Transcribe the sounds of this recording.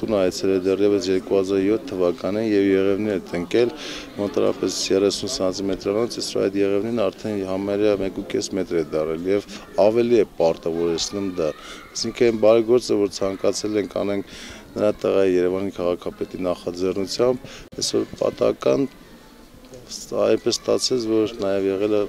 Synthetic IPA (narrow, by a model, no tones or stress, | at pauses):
t̪unɑjɛt͡sʰɛlɛd̪ɛrjɛvəsjɛɾkuhɑzɑɾjɔt̪ʰːəvɑkɑninjɛvjɛʁɛvnɛɾɛt̪əŋkɛl | mɔnt̪ʰɑ̰ɾɑ̰pɛsjɛrɛsunsɑnt͡simɛt̪ɾɑnɔt͡sisɾ̰ɑ̰jt̪jɛʁɛvnɛɾnɑɾt̪ʰɛnhɑmɛɾəmɛkukɛsmɛt̪ɾɛd̪ɑrɛljɛv | ɑvɛliɛpɑɾt̪ɑvɔɾɛt͡sʰnumd̪ɑɑsiŋkʰənɛnbɑɾɛɡɔɾt͡səvɔɾt͡sʰɑŋkɑt͡sʰɛlɛŋkʰɑ̰nɛŋkʰnəɾɑt̪əʁɑjijɛɾɛvɑnikʰɑʁɑkʰɑpɛt̪inɑχɑd͡zɛrnut͡sʰjɑmbɛsɔɾpɑ̰t̪ɑ̰kɑn | ɑjnpɛsːt̪ɑ̰t͡sʰɛt͡sʰvɔɾnɑjɛvjɛʁɛlə